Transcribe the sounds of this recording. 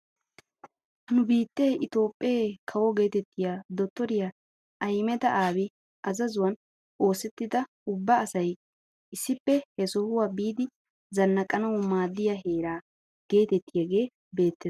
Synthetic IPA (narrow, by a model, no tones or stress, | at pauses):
nʊbiːt̪ːeːʔɪt̪o̞ːpʼːeːkʰɐwɔɡe̞ːt̪ɛt̪ːɪjad̪ɔt̪ːɔɾɪja | ʔɐjmɛt̪ɐʔaːwɪ | ʔɐzɐzʊwɐn | o̞ːsɛt̪ːɪd̪ɐ | ʊbːɐːsɐj | ɪsːɪpːɛhɛsɔhʊwaːbiːd̪ɪ | zɐnːɐkʼːɐnɐwʊmaːd̪ːɪjaɦeːɾaː | ɡ̥e̞ːt̪ɛt̪ːɪjaɡe̞ː | be̞ːt̪ːɛ